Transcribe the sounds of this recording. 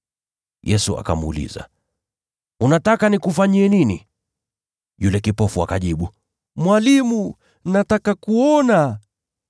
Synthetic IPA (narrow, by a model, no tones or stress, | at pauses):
jɛsua̰ka̰muṵlḭza̰ | unatakanikufaɲiɛninḭ | julɛkipɔfuakaʄiɓu | mwalimu | natakakuɔna